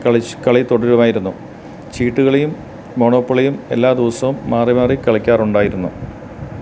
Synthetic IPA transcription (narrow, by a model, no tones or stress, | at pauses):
kɐɭit̪oɽɐɾuʋɐmaːjiɾunːu | t͡ɕiːʈːuɣɐɭejumː | o̞ːɳoːpːɐɭijume̞̰lːaːd̪iʋɐsɐʋumːaːrimaːrikɐɭɐkʲːaːruɳɖaːjiɾunːu